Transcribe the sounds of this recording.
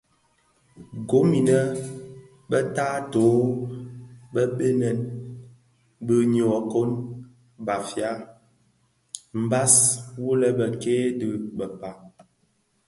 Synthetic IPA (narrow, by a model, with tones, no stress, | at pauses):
ɡo˨˦mi˨nə˦ | bə˦taː˦to˨˦ | bə˦ɓe˦nɛ˨n | bə˦ɲɔ˨ko˦n | ba˨fja˦ | m̩˨ba˦swu˦lə˨bə˨keː˦dɨ˨bə˨pa˨